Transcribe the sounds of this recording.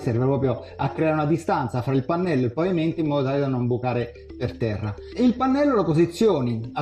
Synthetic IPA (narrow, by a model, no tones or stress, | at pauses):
sɛrvepɾɔːpɾjoakːɾɛaɾeunad̪ist̪ant̪safɾailpanːɛlːoepaviment̪imːɔːd̪ot̪aːled̪anːombukaːɾe | pert̪ɛrːailpanːɛlːolapozit̪sːjoːnia